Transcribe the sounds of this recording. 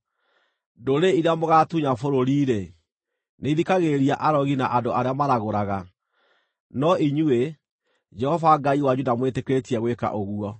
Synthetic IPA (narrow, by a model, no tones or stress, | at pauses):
doɾeiɾeamoɣatuɲafoɾoɾiːɾe | neiðikaɣeɾiaʔaɾɔɣinaʔadoaɾeamaɾaɣoɾaɣa | nɔiɲue | d͡ʒɛhɔvaɡaiwad͡ʒudamwetekɾetiɛɣweka̰ʔoɣuɔ